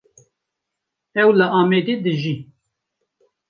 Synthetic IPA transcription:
ɛwləʔɑːmed̪ed̪ɨʒi

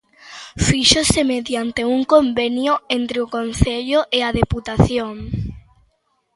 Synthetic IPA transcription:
fiʃosemeðjant̪euŋkombenjʊent̪ɾeʊkon̟θeʎʊʔeaðeput̪aθjoŋ

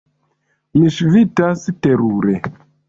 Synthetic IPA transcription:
miʃvitasteɾuɾe

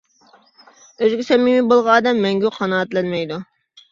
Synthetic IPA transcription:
øzɡʲɪsɛmimibolˠʁɑɑːd̪ɛmːɛŋɡʲyqʰɑnɑːt̪lɛnmɛjd̪u

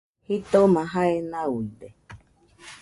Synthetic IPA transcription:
hit̪omãɦaenauid̪e

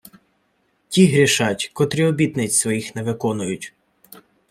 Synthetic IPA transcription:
tʲiɦɾʲiʃɑtʲkɔt̪ɾʲiɔbʲit̪nɪt͡sʲsʋɔjixneʋɪkɔnʊjʊtʲ

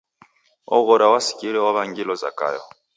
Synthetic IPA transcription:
ɔ̰ɣɔɾawasi̥kiɾɛwaβaŋɡilɔza̰ka̰jɔ̰

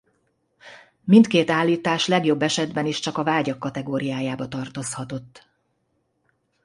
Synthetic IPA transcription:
mint̪keːt̪aːlːiːt̪aːʃlɛɡjo̞bːɛʃɛd̪bɛniʃt͡ʃɒkɒvaːɟɒkːɒt̪ɛɡoːɾijaːjaːbɒt̪ɒrt̪o̞shɒt̪o̞t̪ː

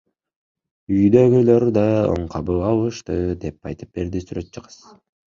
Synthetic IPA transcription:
yjd̪øɡyløɾd̪ɑo̰ɴqʰɑbɯɑlˠɯʃt̪ɯd̪e̞p̚pʰɑ̰jt̪ɯ̥p̚be̞ɾd̪isyɾø̞t̪̚t͡ʃʰɯqɯ̥z̥

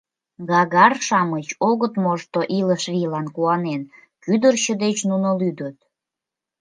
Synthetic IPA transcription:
ɡɑɣɑrʃɑmət͡ɕoɣət̪moʃt̪oʔiləʃrilɑnkuɑnen | kyd̪ərt͡ɕəd̪et͡ɕnunolyd̪ət̪̚

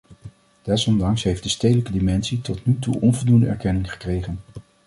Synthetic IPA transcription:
d̥ɛsɔndɑŋsɦejfd̥əstejdələkədimɛnsitɔtnytṵʔɔnvɔlˠdundəɛ̰ɹkɛnɪŋχə̥krejχən

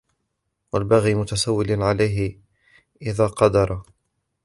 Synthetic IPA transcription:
walbaɣiːmʊt̪asawːɪlʕalajɦɪ | ʔɪðaːqɑd̪ɑɾˤɑ

